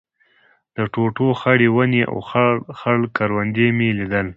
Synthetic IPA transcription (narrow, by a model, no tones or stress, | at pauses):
d̪̥əʈoʈoxaɽewaneʔa̰wxxaɽkaɾwand̪emelid̪əl